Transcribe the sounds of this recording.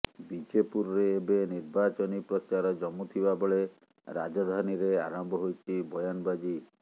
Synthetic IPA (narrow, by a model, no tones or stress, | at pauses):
bid͡ʒepuɾɔɾeːbeniɾbat͡ʃɔnipɾɔt͡ʃaɾɔd͡ʒɔmut̪ʰibabɔɭe | ɾa̰d͡ʒɔd̪ʱaniɾea̰ɾɔmbʱɔɦojt͡ʃʰibɔjanɔbad͡ʒi